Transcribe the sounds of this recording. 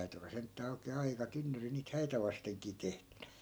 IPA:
tæy̞ty olːɑ sentːæː oikeː ɑikɑ tynːyri niːt hæitæ ʋɑsteŋkiː tehtẙn̥æ̥

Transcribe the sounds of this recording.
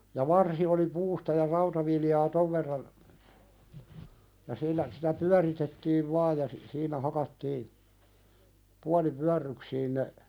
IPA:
jɑ ʋɑrsi oli puːstɑ jɑ rɑutɑʋiljɑː toʋ ʋerːɑn jɑ silːæ sitæ pyæritetːiːʋ ʋɑːj jɑ si siːnæ hɑkɑtːiː puɑlipyærːyksiːn ne

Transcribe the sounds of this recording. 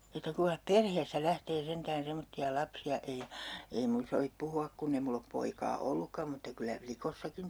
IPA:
etːæ kuiŋkɑh perheːstæ læhteː sentæːn semotːiɑ lɑpsiɑ ei ei mun soʋip puhuɑk kunː e mulː op poikɑː olːukːɑm mutːɑ kylːæ plikosːɑkin

